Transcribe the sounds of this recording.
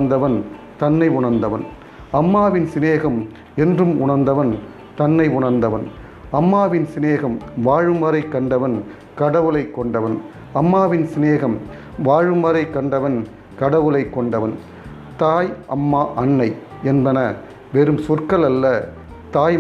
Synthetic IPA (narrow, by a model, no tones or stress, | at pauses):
nd̪ɐʋɐn | t̪ɐnːɐɪʊɳɐɾnd̪ɐʋɐn | ɐmːaːʋɪnsɪneːɣɐm | ɛndrɯmʊɳɐɾnd̪ɐʋɐn | t̪ɐnːɐɪʊɳɐɾnd̪ɐʋɐn | ɐmːaːʋɪnsɪneːɣɐmʋaːɻɯmɐɾɐɪkːɐɳɖɐʋɐn | kɐɽɐʋɯlɐɪkːɔɳɖɐʋɐn | ɐmːaːʋɪnsɪneːɣɐm | ʋaːɻɯmɐɾɐɪkːɐɳɖɐʋɐn | kɐɽɐʋɯlɐɪkːɔɳɖɐʋɐn | t̪aːjʔɐmːaːʔɐnːɐɪ | ɛnbɐnɐ | ʋɛɾɯmsɔrkɐlɐlːɐ | t̪aːj